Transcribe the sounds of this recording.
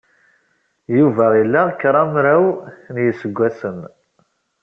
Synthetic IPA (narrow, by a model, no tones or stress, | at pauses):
juvæilːækːɾˤɑmɾæwnjəsəɡʷːæsən